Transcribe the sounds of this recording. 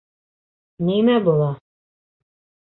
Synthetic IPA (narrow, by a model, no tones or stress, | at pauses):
nimæbulˠɑ